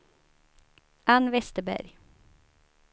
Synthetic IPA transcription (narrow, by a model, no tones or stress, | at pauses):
ʔɑnʋɛst̪əbæ̰ɾ